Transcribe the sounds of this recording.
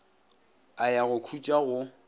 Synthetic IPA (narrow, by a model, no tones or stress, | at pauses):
ajaɣʊkʰut͡ʃʼaɣʊ